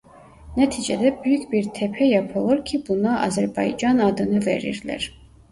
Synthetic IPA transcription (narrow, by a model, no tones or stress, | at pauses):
nɛt̪ʰit͡ʃɛ̰d̪ɛbɾykʰbiɾt̪ʰɛpʰɛjɛpʰɔlˠɔɾkʰibunɑʔɑ̰zɛɾbɑjd͡ʒɑnɑd̪ənəvɛ̰ɾḭɾlɛ̰ɾ